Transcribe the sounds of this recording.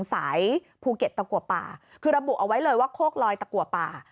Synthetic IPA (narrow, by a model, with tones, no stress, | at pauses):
ŋsaː˩˦j | pʰuː˧ke˨˩t̪̚ːa˧ku˨˩ət̪̚pa̰ː˨˩ | kʰɯː˧ɾa˧bu˨˩ʔa˧wa˦˥jlɤː˧jwaː˥˩kʰoː˥˩k̚lɔː˧jt̪a˧ku˨˩ə˩t̪̚paː˨˩